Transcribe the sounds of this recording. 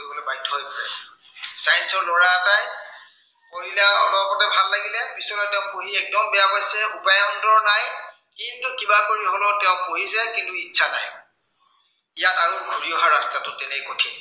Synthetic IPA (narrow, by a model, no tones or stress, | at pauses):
ojbolobajtʰːɔɦojpɔɹɛ | sajnsɔɹlɔɹaːsaj | koɹilaɔ̰lɔpɔtɛbʱalːaɡilɛbisɔlɔjtɛʊ̃poɦiɛk̚dɔmbɛjaɦojsɛupajɔndɔɹnaj | kintʊkibakoɹiɦolotɛʊ̃poɦizɛkintuitːsʰana̰j | ijataɹuɡʱuɹiɔɦaɹastatʊtɛnɛkotʰi